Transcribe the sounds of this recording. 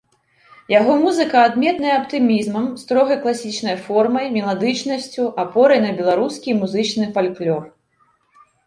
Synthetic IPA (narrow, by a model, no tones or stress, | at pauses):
jaɣɔmuzɨkɐːd̪mʲɛt̪nɐjɛɐpt̪ɨmʲizmɐmst̪ɾɔɣɐjklˠasʲit͡ʂnɐjfɔrmɐjmʲɛlˠad̪ɨt͡ʂnɐsʲt͡sʲuʔapɔɾɐjnɐbʲɛlˠaɾuskʲimuzɨt͡ʂnɨfalʲklʲɔr